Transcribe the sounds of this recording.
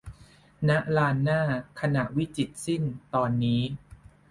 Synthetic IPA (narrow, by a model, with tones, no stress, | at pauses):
na˦˥ʔɾaː˧nːaː˥˩kʰa˧na˨˩ʔwi˦˥t͡ɕi˨˩t̪̚si˥˩nt̪ɔː˧nːiː˦˥